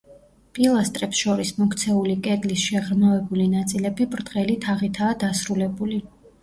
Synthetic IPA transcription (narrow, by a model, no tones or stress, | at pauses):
pʼilˠast̪ʼɾɛpsʃɔɾismɔkʰt̪sʰɛulikʼɛd̪lisʃaʁɾmavɛbulinat̪sʼilɛbipʼɾd̪ʁɛlit̪ʰaʁit̪ʰaːd̪asɾulɛbuli